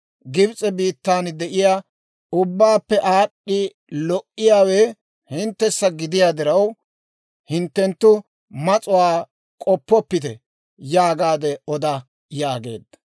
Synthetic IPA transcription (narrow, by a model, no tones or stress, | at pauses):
ɡɪbt͡sʼɛbiːt̪ːaːnd̪ɛʔɪjaː | ʊbːaːpːɛʔaːɗːɪ | lɔʔːɪjaːwe | hɪnt̪ːɛsːɐɡɪd̪ɪjaːd̪ɪɾɐw | hɪnt̪ːɛnt̪ːʊ | mɐt͡sʼʊwaː | kʼɔpːɔpːɪt̪ɛ̰ | jaːɡaːd̪ɛɔd̪ɐ | jaːɡe̞̰ːd̪ːɐ̥